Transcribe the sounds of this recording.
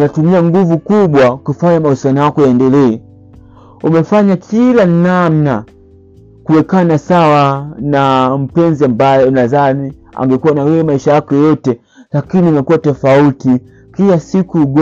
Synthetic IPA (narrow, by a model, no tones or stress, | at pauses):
natumiaŋɡuvukuɓwakufaɲamausianɔjakɔjaɛndɛlɛɛ | umɛfaɲakʰilanamna | kuwɛkanasawanam̩pɛnziambajɔnazania̰ŋɡɛkuwanawɛɛmaiʃajakɔjɔtɛ | lakiniumɛkuwatɛfauti | kilasikuɡ